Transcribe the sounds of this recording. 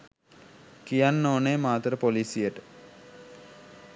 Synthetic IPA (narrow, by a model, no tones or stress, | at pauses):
kijanːoːnemaːt̪əɾəpolisijəʈə̥